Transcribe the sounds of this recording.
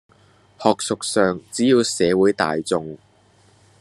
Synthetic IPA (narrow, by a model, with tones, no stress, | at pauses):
hɔː˨k̚sʊ˨k̚sœː˨ŋt͡siː˨˥jiː˨˧wsɛː˨˧wuː˨˥jt̪a̰ː˨jt͡sʊ˨ŋ